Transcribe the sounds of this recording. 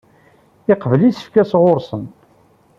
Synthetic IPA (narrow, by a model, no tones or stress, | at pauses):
ɪqvəlisə̥fkæsʁoɾsən